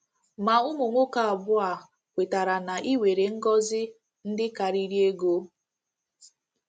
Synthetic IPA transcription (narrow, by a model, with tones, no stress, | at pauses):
ma˨ʊ˦mʊ˨ŋʷo˦ka˨a˨bʊ˦a˨ | kʷe˨ta˨ɾa˨na˨ʔi˦we˨ɾe˨ŋ̩˦ɡɔ˦zɪ˦ | n̩˦dɪ˦ka˨ɾi˦ɾi˦e˦ɡo˦